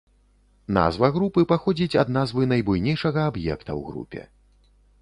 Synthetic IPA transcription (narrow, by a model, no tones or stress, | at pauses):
na̰zvɐɣɾupɨpaxɔd͡zʲit͡sʲɐd̪̚nazvɨnɐjbujnʲejʂɐɣɐabjɛ̰kt̪ɐ̰wɣɾṵpʲɛ̰